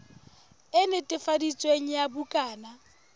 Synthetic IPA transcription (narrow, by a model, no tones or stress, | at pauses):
ɪnɪtʼɪfadit͡sʼweŋ̩jabukʼaːna